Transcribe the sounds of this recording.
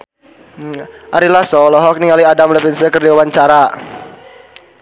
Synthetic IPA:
ʔaɾilasɔlɔɦɔk̚niŋaliadamləpɪnsəkərdiawaɲt͡ʃaɾa

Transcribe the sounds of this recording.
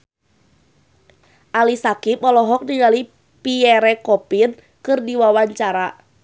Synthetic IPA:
ʔalisakipɔlɔɦɔk̚niɡali | piɛɾɛkɔpin | kɨrdiwawaɲt͡ʃaɾa

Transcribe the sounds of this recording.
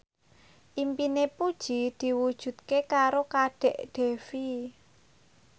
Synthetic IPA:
ʔimpinepud̥ʒ̥i̤d̪̥i̤wud̥ʒ̥ṳt̪̚kekaɾokaɖ̥ɛ̤ʔɖ̪̥e̤fi

